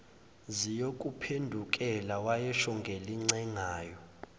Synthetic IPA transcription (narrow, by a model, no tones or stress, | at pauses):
zijokʼupʰendʱuk̬ʼɛlawajɛʃɔŋɡʱɛliŋ͡ǀɛŋaːjɔ